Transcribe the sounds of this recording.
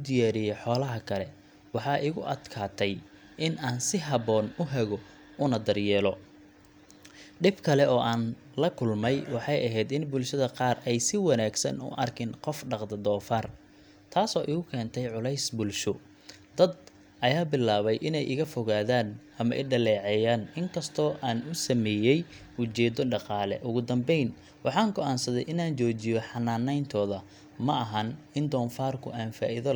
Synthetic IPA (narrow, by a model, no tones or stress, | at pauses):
ʊd̪ɪjaːɾɪjɛjħɔːlɐɦɐkʰɐlɛ | wɑħɑːʔɪɣʊʔɐd̪kʰaːt̪ʰɛj | ɪnaːnsɪɦɐβɔːnʊɦɛɣɔ | ʊnɐd̪ɐrjɛːlɔ | ɖɪbkʰɐlɛɔːʔaːn | lɐkʰʊlmɛjwɑħɑjʔɐɦɛjd̪ɪnbʊlʃɐðɐqɑːrɛjsɪwɑnaːɡsɐnʊ̰ʔɐrkʰɪnqɔfɖɑqd̪ɐd̪ɔːfar | t̪ʰaːsɔːʔɪɣʊkʰɛːnt̪ʰɛjʕʊlɛjsbʊlʃʊ | d̪ɐd̪ | ʔɐjaːbɪlaːβɛjʔɪnɛjʔɪɣɐfɔɣaːðaːnʔɐmɐ̰ʔɛ̰ɖɐlɛːʕɛjaːnɪŋkʰɐst̪ʰɔːʔaːnʊsɐmɛːjɛj | ʊt͡ʃɛːd̪ɔɖɑqɑːlɛ̰ʔʊɣʊd̪ɐmbɛjn | wʔɑħɑːŋɡɔʔaːnsɐðɛjʔɪnaːnt͡ʃɔːt͡ʃɪjɔħɑnːaːnɛjnt̪ʰɔːðɐ | mɐʔɐɦɐn | ɪnd̪ɔːnfaːrkʰʊʔaːnfa̰ːʔɪðɔ